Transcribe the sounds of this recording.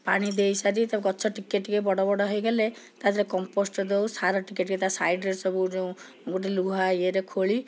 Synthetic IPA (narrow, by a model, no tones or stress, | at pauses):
paɽ̃id̪ejsaɾit̪abkɔtːsʰɔʈikeʈkebɔɽɔbɔɽɔɦɔjɡɔlet̪ad̪ʰɾekɔmposʈɔd̪ewsaɾɔʈikeʈket̪asajɖɾeɾsɔbud͡ʒeũ | ɡoʈiluɦajeɾekʰoɭi